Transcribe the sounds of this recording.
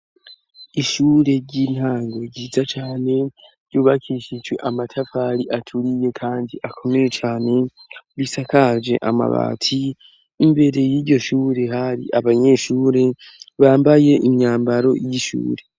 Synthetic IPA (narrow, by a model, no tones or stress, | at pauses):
iʃuːɾe̞ɾɟin̥haːŋɡo̞ɾɟiːzat͡ʃaːne̞ɾɟuːβakʰiʃid͡ʒwe̞̰ʔamatʰafaɾiʔatʰuɾije̞kʰaːndiʔakʰo̞me̞je̞t͡ʃaːne̞βisakad͡ʒe̞̰ʔama̰βa̰ːtʰiː | mbe̞ɾe̞jiːɾɟo̞ʃuːɾe̞haɾḭʔaβaɲe̞ʃuːɾe̞ | βaːmbaje̞ʔimɲaːmbaɾo̞jiʃṵːɾe̞